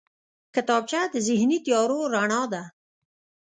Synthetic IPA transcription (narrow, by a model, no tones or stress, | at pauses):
kɪt̪ɑb̚t͡ʃad̪əzɪhnit̪jɑɾoɾaɳɑd̪a